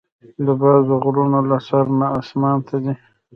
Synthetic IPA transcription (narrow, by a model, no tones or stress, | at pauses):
d̪əbazʊɣɾunolasaɾnaːsmɑːnt̪ʰad̪i